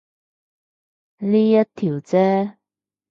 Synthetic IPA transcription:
liː˥jɐ˥t̚t̪ʰiː˨˩wt͡sɛː˦˥

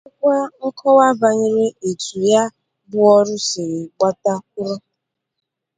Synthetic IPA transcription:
kʷa˦ŋ̩˦kʰɔ˦wa˦ba˨ɲɪ˦ɾe˦e˨tu˨ja˦ | bʊ˦ɔ˦ɾʊ˦sɪ˨ɾɪ˨ɡ͡ba˦ta˦ku˦ɾɔ˦

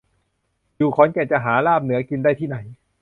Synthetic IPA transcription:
juː˨˩kʰɔː˩˦nkɛː˧˩t͡ɕa˨˩ɦaː˩˦laː˥˩p̚nɯ˩˦ɐki˧ndaː˥˩t̪ʰiː˥˩na˩˦j

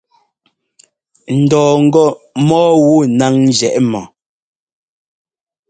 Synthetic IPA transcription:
n̩˨dɔː˨ŋ̩˨ɡɔ˦˨mɔː˦wu˦˨na˦ŋn˦d͡ʒɛ˨ʔmɔ˨

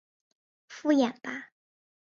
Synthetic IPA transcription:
fu˥ja˨˩npa˥

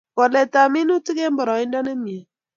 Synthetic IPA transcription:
kɔ˨lɛ˨ta˨mi˦nu˦ti˦ke˦mbɔ˨ɾɔ˨i˦ndɔ˦ne˦mi˨e˨

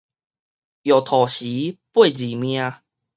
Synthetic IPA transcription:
jo˨˩t̪ʰɔ˨˩ɕi˨˦pwe˥˧˨d͡ʑi˨˩mj̃ã˧

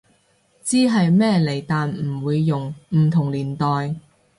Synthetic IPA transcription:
t͡siː˥ɦɐ˨jmɛː˥le˨˩jt̪aː˨nm̩˨˩wuː˨˧jːʊ˨ŋm̩˨˩t̪ʰʊ˨˩ŋliː˨˩nt̪ɔː˨j

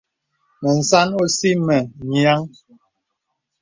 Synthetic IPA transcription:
mɛ˨n̩˨sa˦no˦si˦mɛ˨ɲja˦ŋ

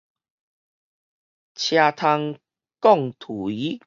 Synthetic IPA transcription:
t͡ɕʰja˧t̪ʰa˧ŋ | kɔ˥˧˨ŋt̪ʰu˨˩i˨˦

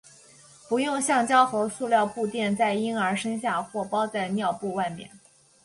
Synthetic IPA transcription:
pu˧˥jʊ˥˧ŋɕjɑ˥˩ŋt͡ɕjɑ˥ʊxɤ˧˥ʊsu˥˧ljɑ˥˧ʊpu˥˧t̪jɛ˥˧nt͡sa˥˩ɪi˥ŋə˞˧˥ʂɤ˥ŋɕja˥˧xwɔ˥˩pɑ˥ʊt͡sa˥˧ɪnjɑ˥˧ʊpu˥˧wa˥˩ɪmjɛ̰˥˩n

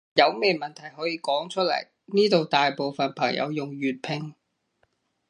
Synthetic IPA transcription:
jɐ˨˧wmeː˨˧˩mɐ˨nt̪ʰɐ˨˩jɦɔː˨˥jiː˧kɔː˨˥ŋt͡ʃʰɵ˥t̚lɐ̰˨˩j | niː˥t̪o˨wt̪aː˨jpo˨wfɐ˨npʰɐ˨˩ŋjʔɐ̰˨˧wjʊ˨ŋjyː˨t̚pʰɪ˧ŋ

